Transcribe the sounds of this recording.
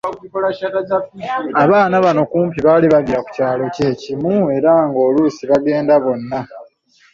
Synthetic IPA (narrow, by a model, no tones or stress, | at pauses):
aatad͡ʒaaβaːnaβano̞kuːmpiβaliβaɡiɾaku̥caːlo̞ce̞cimue̞ɾaŋɡo̞ːluːsiβaɡe̞ːndaβo̞nːa